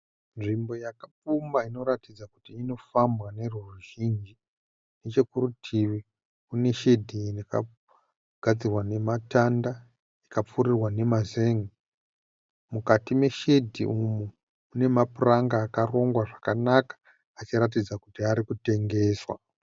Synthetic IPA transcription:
nʐimbo̞jakap͡fumbaino̞ɾatid͡zakutiːno̞fambwane̞ruruʒind͡ʒi | net͡ʃe̞kurutʰiʋi | une̞ʃe̞dʱiineka̰ | ɡ̥ʱad͡zirwane̞matanda | ikap͡furirwane̞mazeŋi | mukatime̞ʃe̞dʱḭumu | une̞mapuraŋɡaːkaro̞ŋɡwaʐakanakḁː | t͡ʃiɾat̬id͡zakutiaɾikute̞ŋɡe̞ːswa̰

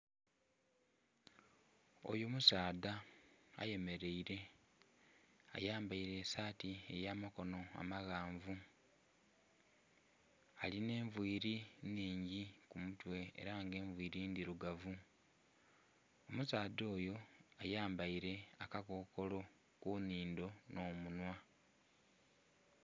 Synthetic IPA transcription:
o̞̰jomusaːdaa̰je̞me̞ɾe̞iɾe̞ | a̰jaːmbaiɾe̞ːsaːtiejaːmako̞no̞a̰maɣaːɱvu | aline̞ːɱvwiːɾiniːɲɟikumutwe̞̰ːɾaŋɡe̞ːɱvwiːɾind̪iɾuɡavu | o̞musaːd̪o̞ːjo̞ajaːmbaiɾe̞akakoːko̞lo̞ | kuniːndo̞no̞ːmunwa

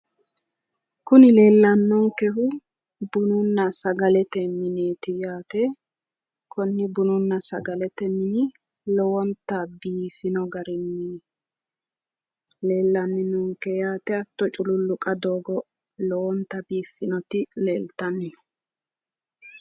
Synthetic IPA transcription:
kʊnɪle̞ːlːɐnːɔŋkɛɦʊ | bʊnʊnːɐsɐɡɐlɛt̪ɛmɪneːt̪ɪjaːt̪ɛ | kʰɔnːɪbʊnʊnːɐsɐɡɐlɛt̪ɛmɪnɪ | lɔwɔnt̪ːɐbiːfːɪnɔɡɐɾɪnːi | le̞ːlːɐnːɪnɔŋkɛjaːt̪ɛɐt̪ːɔt͡ʃʼʊlʊlːʊkʼɐd̪oːɡɔ | lɔwɔnt̪ːɐbiːfːɪnɔt̪ɪleːlt̪ɐnːɪ

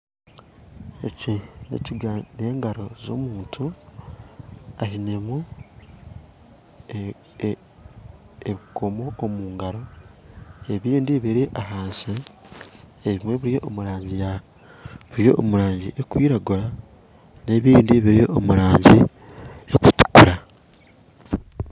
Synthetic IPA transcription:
e̞cinḛciɡane̞ːŋɡaɾo̞zo̞̰muːntʰu | ahine̞mu | eɾuko̞mo̞ːmuːŋɡaɾo̞ | e̞βiːndiβiɾiʔahaːnsi | eβimwe̞βuɾijo̞ʔːmuɾaːɲɟija | βuɾjo̞̰ʔːmuɾaːɲɟḭʔekwiːɾaɡuɾa | ne̞βiːndiβiɾijo̞̰ʔːmuɾaːɲɟi | eku̥tu̥kuɾa

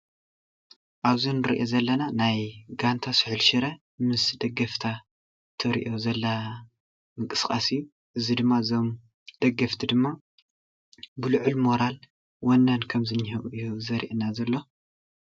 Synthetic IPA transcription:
ʔaβzinɨɾḭʔozɐlːɐnanajɡant̪ʰasɨħɨlʃɨɾɐ | mɨsd̪ɐɡɐft̪ʰa | t̪ʰɐɾḭʔo̞zɐlːa | mɨŋkʼɨskʼasɨjːu | ʔɨzid̪ɨmːazo̞m | d̪̥ɐɡɐft̪ʰid̪ɨmːa | bɨlɨʕulmo̞ɾal | wɐnːankʰɐmzɨnːihiʔjuzɐɾḭʔɨnazɐlːo̞

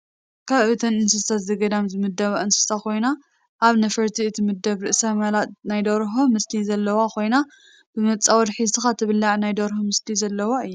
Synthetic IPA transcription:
kʰaβɨt̪ʰɐnɨnsɨsat̪zɐɡɐd̪amzɨmɨd̪ːɐβaʔɨnsɨ̥stakʰo̞jna | ʔaβnɐfɐɾt̪ʰiɨt̪ʰimɨd̪ːɐβɾɨʔsamɐlanajd̪oɾɦomɨst̪ʰizɐlːɐwakʰo̞jna | b̥ɨmɐt͡sʼawɔd̪ħizsɨxat̪ʰɨβɨlːaʕnajd̪ɐɾhomɨst̪ʰizɐlːɐwaɨjːu

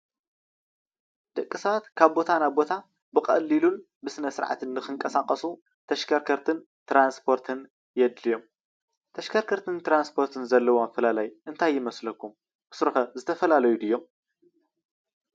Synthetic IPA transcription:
d̪ɐkʼːisɐβat̪kʰaβbo̞t̪ʰanaβbo̞t̪ʰa | bɨkʼɐ̰lːilun | bɨsɨnɐsɨɾʕa̰t̪ʰɨnːɨxɨŋkʼɐsakʼɐsu | t̪ʰɐʃkʰɐɾkʰɐɾt̪ʰɨn | t̪ɾanspʰo̞ɾt̪ʰɨn | jɛd̪lijo̞m | t̪ʰɐʃkʰɐɾkʰɐɾt̪ʰɨnt̪ɾanspʰo̞ɾt̪ʰɨnzɐlːɐwomɐfɐlalajʔɨnt̪ʰajːɪmɐslɐkʰːum | bɨ̥sɾɨxɐzɨt̪ʰɐfɐlalɐjud̪ɨjːo̞m

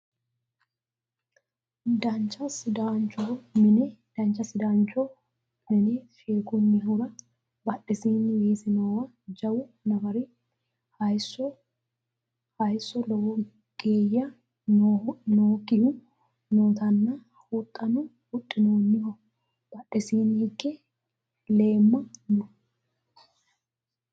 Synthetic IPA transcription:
d̪ɐnt͡ʃːɐsɪd̪aːnt͡ʃɔmɪnɛd̪̥ɐnt͡ʃːɐsɪd̪aːnt͡ʃɔ | mɪnɛfeːkʊnːɪɦʊɾɐ | bɐᶑɪsiːnːɪjeːsɪnowɐ | d͡ʒɐwʊnɐfɐɾɪ | hɐjsɔ | hɐjsːɔlɔwɔ | ɡ̥eːjːɐ | noːkɪhʊ | noːt̪ɐnːɐ | hut̪ʼːɐnʊ | hʊtʼːɪnoːnːɪhɔ | b̥ɐᶑɛsiːnɪhɪkːɛ | le̞ːmːɐnɔ

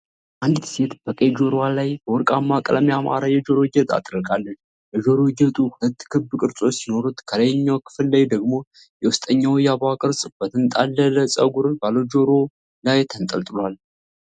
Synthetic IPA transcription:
ʔand̪se̞t̪b̥əkʼejd͡ʒo̞ɾwalajb̥əwɔɾkʼamːakʼələmjama̰ɾajɛd͡ʒo̞ɾo̞d͡ʒɛt̪ʼa̰t̪ɾəlkʼalːət͡ʃː | bɛd͡ʒo̞ɾod͡ʒɛt̪ʼuhulət̪ːkʰɨbkʼɨɾsʼo̞sino̞ɾut̪kʰələjɲːawkʰɨ̥fɨlːajd̪əɡmo̞ | jɛwʊst̪ʼəɲːawjaβakʼɨɾsʼb̥ət̪ʰɨnt̪ʼalːələsʼə̰ɡuɾɨnbalod͡ʒo̞ɾo̞ | lajt̪ʰənt̪ʼəlt̪ʼɨlal

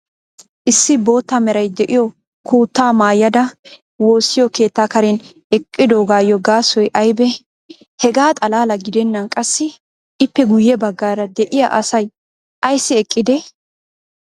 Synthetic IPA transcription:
ʔɪsːɪbo̞ːt̪ːamɛɾɐjd̪ɛʔɪjɔ | kʰuːt̪ːaːmaːjːɐd̪ɐ | wo̞ːsːɪjɔke̞ːt̪ːaːkɐɾɛn | ɛkʼːɪd̪oːɡaːjːɔɡaːsɔjʔɐjbɛ | hɛɡaːt̪ʼɐlaːlɐɡɪd̪ɛnːɐnkʼɐsːɪ | ɪpːɛɡʊjːɛbɐɡːaːɾɐd̪ɛʔɪja̰ʔɐsɐj | ʔɐjsːɪɛkʼːɪd̪ɛ

